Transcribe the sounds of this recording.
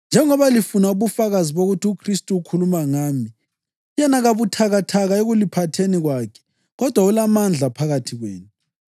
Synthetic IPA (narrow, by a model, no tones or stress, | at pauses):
nd͡ʒʱɛŋɔβalifunauβufaɣaziβoɣutʰiukʰristʼuːkʰulumaŋaːmi | jɛnaɣaβutʰaɣatʰaɣaeɣulipʰatʰeniɣwaːkʰɛ̥ | ɣɔd̥ʱwaulamand͡ɮʱapʰaɣatʰiɣwḛːnu